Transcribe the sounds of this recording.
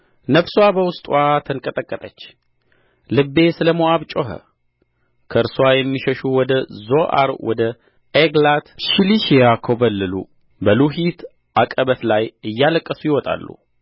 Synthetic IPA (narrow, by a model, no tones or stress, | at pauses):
nəβsowabəwʊst̪ʼwat̪ʰənkʼət̪ʼəkʼːət̪ʼət͡ʃː | lɨbːe̞sɨləmoaβt͡ʃʼoɦə̰ | kʰəʔɨɾswajɛmːiʃəʃuwɔd̪əzoʔa̰ɾwɔ̰d̪ə | eɡlat̪ʃiliʃejakʰobəlːɨlṵ | bəluɦit̪ | ʔakʼəβət̪lajɨjːaləkʼːəsujɪwɔt̪ʼa̰lːṵ